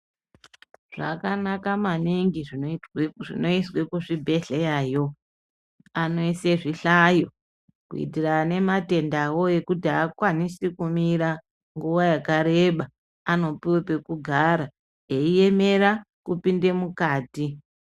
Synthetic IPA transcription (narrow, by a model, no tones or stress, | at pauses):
ʐ̥akanakamaniŋɡiʐiʐḭno̞iswekuʐibʱe̞ɮejaːjo̞ | ano̞iseʐiɬajo | kuḭtirane̞mate̞ndawo̞e̞kutiakwanisikumiɾa | ŋɡuʋajakaɾe̞ɓa | ano̞piwepekuɡʱaɾa | eije̞me̞ɾa | kupinde̞mukaːti